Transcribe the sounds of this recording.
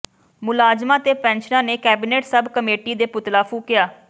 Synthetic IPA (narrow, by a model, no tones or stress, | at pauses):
mʊlaːd͡ʒmãːt̪eːpɛ̃ːnʃənãːneːkɛːbiːneːʈsəbkəmeːʈiːd̪eːpʊt̪laːpʰuːkɪjaː